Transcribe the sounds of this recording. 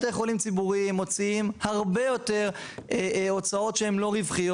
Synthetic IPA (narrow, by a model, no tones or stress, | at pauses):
t̪eχolimt͡sibuʁimːo̞t͡siimhaʁbe̞jo̞te̞ʁ | eo̞t͡sao̞t̪ʃehemlo̞ʁivχijo